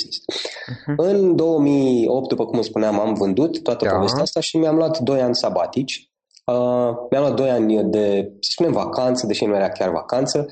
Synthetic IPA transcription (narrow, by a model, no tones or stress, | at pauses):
ist̪ | ɨnd̪o̞wəmio̞p̚t̪̚d̪upəkumɨspuneamamvɨnd̪ut̪ːoat̪əpo̞ve̞st̪eaast̪aʃimiamluat̪d̪o̞janʲsabat̪it͡ʃʲ | əmjamluat̪̚d̪o̞janʲd̪e̞sə̥spune̞mvakʰant̪səd̪e̞ʃinujeɾakʲarva̰kant̪sə